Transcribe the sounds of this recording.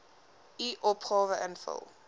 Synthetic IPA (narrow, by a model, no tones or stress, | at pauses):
iʔɔpʰχɔːvəʔɛ̃nfɪ̰lˠ